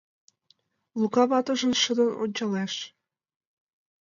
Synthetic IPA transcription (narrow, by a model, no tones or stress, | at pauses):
lukɑβɑt̪ə̆ʒə̆nʃəd̪ɤ̆no̰nʲt͡ɕɑleʃ